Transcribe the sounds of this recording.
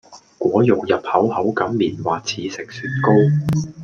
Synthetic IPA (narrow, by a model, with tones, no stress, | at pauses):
kʷɔː˨˥jʊ˨˩kjɐ˨p̚hɐ˨˥whɐ˨˥wkɐ˨˥mːiː˨˩nwaː˨t͡sʰiː˨˥sɪ˨k̚syː˨˩t̚ko˥w